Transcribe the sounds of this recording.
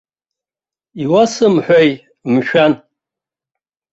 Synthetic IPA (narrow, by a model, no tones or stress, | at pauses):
iwasɨmħʷᶣaj | mʃᶣan